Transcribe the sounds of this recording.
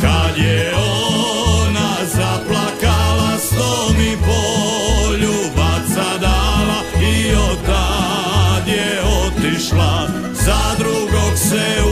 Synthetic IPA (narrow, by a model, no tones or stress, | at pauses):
kad̪jɛonazaplakalast̪omipoʎuʋasad̪ala | iot̪ːa | d̪jɛot̪iʃla | zad̪ɾuɡokse